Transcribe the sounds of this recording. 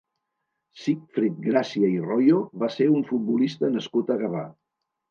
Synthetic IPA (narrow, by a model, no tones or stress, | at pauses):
sikfɾit̪̚ɡɾasiəirɔjoβaseuɱfut̪̚bulist̪ənəskut̪əɣəβa